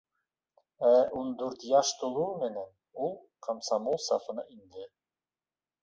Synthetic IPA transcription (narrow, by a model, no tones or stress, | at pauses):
æʔund̪uɾt̪jɑʃt̪ulˠuɾmɘ̆næn | ulˠqʰɑmsɑmulˠsɑ̰fɤ̆nɤʔind̪ɘ